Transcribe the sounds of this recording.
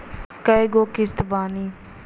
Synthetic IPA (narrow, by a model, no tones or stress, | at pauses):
kɐeɡoːkɪst̪baːniː